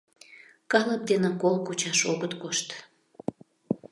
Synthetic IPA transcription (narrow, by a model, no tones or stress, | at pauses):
kɑləp̚d̪enə̆kolkut͡ɕɑʃoɣət̪koʃt̪